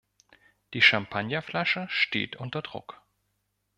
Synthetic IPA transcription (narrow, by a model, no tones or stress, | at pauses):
d̥iːʃampʰanjaflaʃəʃtḛːtʔʊntɐdʁʊ̰k